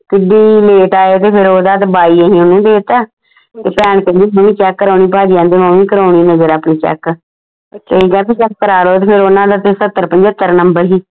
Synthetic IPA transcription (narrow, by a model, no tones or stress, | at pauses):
kɪɖiːleːʈaːeːt̪eːpʰɪɾoːd̪aːt̪baːiːeːɦĩːʊnũːd̪eːt̪aː | t̪eːpɛːɳkə̃nd̪iːmõːmĩːt͡ʃɛkːəɾaːɳiːpaːd͡ʒijãːnd̪eːmãːʋĩːkəɾaːɳiːnəzəɾaːpɳiːt͡ʃɛ̰k | əɦĩːkɛːpit͡ʃɛkːəɾaːɾoːt̪eːpʰɪɾonãːd̪aːt̪esət̪ːəɾpəɲd͡ʒət̪ːəɾnəmbəɾɦiː